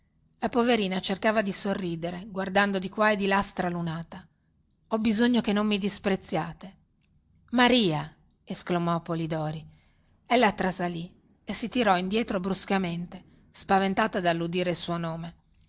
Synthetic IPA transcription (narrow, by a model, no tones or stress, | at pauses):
lapoveɾiːnat͡ʃerkaːvad̪isorːiːd̪eɾeɡward̪and̪od̪ikwaed̪ilast̪ɾalunaːt̪a | ɔbizoɲːokenːomːid̪ispɾet̪sːjaːt̪e | maɾiːa | esklamɔpːolid̪ɔːɾi | ɛlːat̪ːɾasali | esit̪iɾɔind̪jɛːt̪ɾobɾuskament̪e | spavent̪aːt̪ad̪alːud̪iːɾeilsuonoːme